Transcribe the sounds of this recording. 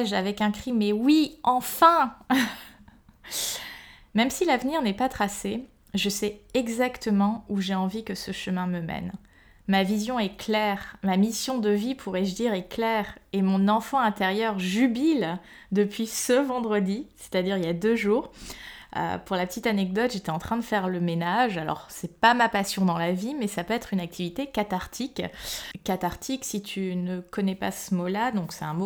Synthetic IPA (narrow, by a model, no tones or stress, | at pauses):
ʒavɛkɛ̃kχimɛwiɑ̃fɛ̃ | mɛmsilavniʁnɛpat̪χase | ʒəsɛɛɡzakt̪əmɑ̃uʒeɑ̃vikəsəʃəmɛ̃məmɛ̰n | mavizjɔ̃ɛklɛʁmamisjɔ̃d̪əvipʰuʁɛʒd̪iʁɛklɛʁemɔ̃nɑ̃fɑ̃ɛ̃t̪ɛʁjœʁʒybil | d̪əpɥisəvɑ̃d̪ʁəd̪ise̥t̪ad̪iʁiljad̪øʒuːʁ | ø̰puʁlapət̪it̪anɛɡ̚d̪ɔt̪ʒ̥et̪ɛɑ̃t̪χɛ̃d̪əfɛʁləmenaʒalɔ̰ʁsɛpamapasjɔ̃d̪ɑ̃lavimɛsapøɛt̪χynak̚t̪ʰivit̪ekat̪aʁt̪ʰikkːat̪aʁt̪ʰiksit̪ʰynəkɔnɛpasəmolad̪ɔ̃ksɛt̪ɛ̃mo